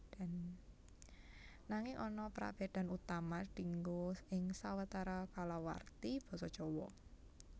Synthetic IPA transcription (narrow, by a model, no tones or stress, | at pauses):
an | naŋɪŋʔɔnɔpɾa̰feɖ̪̥a̤nut̪amaɖ̥i̤ŋɡoɪŋsawat̪aɾakalawa̰rt̪ib̥ɔ̤sɔt͡ʃɔwɔ̰